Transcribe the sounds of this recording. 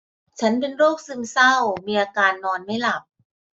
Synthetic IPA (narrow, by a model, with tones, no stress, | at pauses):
t͡ɕʰa˦˥npe˧nɾoː˥˩k̚sɯ˧˩msa˥˩wmiː˧ʔaː˧kaː˧nːɔː˧nma˥˩jla˨˩p̚